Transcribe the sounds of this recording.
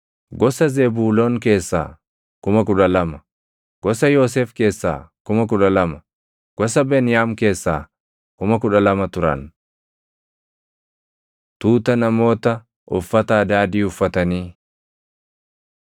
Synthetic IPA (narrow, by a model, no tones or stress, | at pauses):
ɡɔsɐzeːbuːloːŋk̬e̞ːsːa̰ː | kʊmɐk̬ʊᶑɐlɐmɐ | ɡ̥ɔsɐjoːs̬eːfke̞ːsːa̰ːkʊmɐk̬ʊᶑɐlɐmɐ | ɡ̥ɔsɐbeːnɪjaːmke̞ːsːaː | kʊmɐkʊᶑɐlɐmɐt̪ʊɾɐ̰n | t̪uːt̪ɐnɐmo̞ːt̪ɐ | ʔʊfːɐt̪ɐːd̪aːd̪iːʊfːɐt̪ɐniː